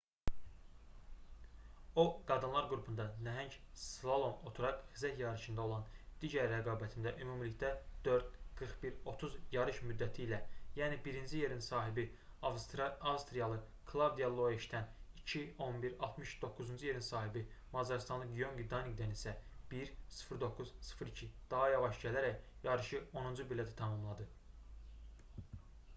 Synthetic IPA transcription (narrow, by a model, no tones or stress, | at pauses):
oɡɑd̪ɯnlˠɑɾɡɾupʰund̪ɑnæɦæɲcslˠolˠo̞no̞t̪ʰuɾɑqχizæt̪jɑɾɯʃɯnd̪ɑo̞lˠɑnd̪̥iɟæɾːæɡɑːbæt̪ʰind̪æʔymumliçd̪æd̪̥øɾd̪̥̚ɡ̥ɯɾχbiɾo̞t̪ʰuzjɑɾɯʃmyd̪ːæt̪ʰiːlæjæːnibiɾind͡ʒije̞ɾinsɑːɦibi | ɑvst̪ɾɑɑvst̪ɾijɑlˠɯ | kʰlˠavd̪ijɑlˠo̞eʃt̪ʰænicʰio̞nbiɾɑlˠt̪ʰmɯʃd̪o̞kːuzund͡ʒuje̞ɾinsɑːɦibi | mɑzɑɾst̪ɑnlˠɯɡijo̞ŋɡid̪ɑniɡd̪ænisæb̥iɾsɯ̥fɾd̪o̞kːuz̥sɯ̥fɾicʰid̪̥ɑɦɑjɑvɑʃɟælæɾæcjɑɾɯʃɯo̞nund͡ʒubilːæt̪ʰt̪ʰɑmɑmlˠɑd̪ɯ